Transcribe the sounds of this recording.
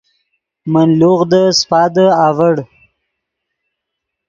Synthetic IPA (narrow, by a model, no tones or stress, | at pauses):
manluɣd̪əspɑːd̪əɑvəɽ